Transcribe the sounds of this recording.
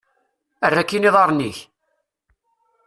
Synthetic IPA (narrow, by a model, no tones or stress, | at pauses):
ərːækːiniðˤɑɾˤniç